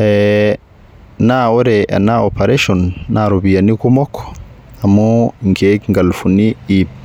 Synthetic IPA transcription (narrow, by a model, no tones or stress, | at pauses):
ɛ | naɔɾɛʔa̰naɔpʰaɾeʃɔnːʔaɾobijanikumɔkʰːɔ̥ | amɔŋɡeɡŋɡalfunii